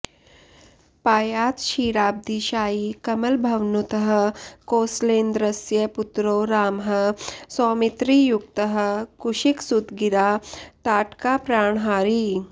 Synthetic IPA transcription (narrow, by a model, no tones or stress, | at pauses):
paːjaːt̪ʃiːɽaːb̚d̪iʃaːiːkɐmɐlbʱɐʋnut̪əɦə̆koːsleːnd̪ɾɐsjɐput̪ɾoːɾaːmɦɐ̆sɔːmit̪ɾiːjukt̪əɦə̆kuʃiksut̪ɡiɾaːt̪aːʈkaːpɾaːɳɦaːɾiː